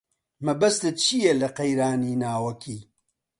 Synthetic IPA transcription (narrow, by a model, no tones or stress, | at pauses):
mɐbɐst̪ɨt̪̚t͡ʃʰijɛlɐqɐjɾaːniːnaːwɐkʰiː